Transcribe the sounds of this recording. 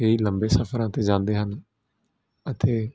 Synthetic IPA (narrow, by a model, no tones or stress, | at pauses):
eiːləmbeːsəfʰəɾãːt̪eːd͡ʒãːnd̪eːɦən | ət̪eː